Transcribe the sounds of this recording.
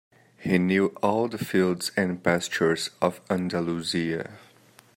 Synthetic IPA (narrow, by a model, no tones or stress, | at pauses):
hinjuʔɔlˠðəfilˠdz̥ɨ̃npæst͡ʃə˞zʌvæ̃ndəluziɨ̰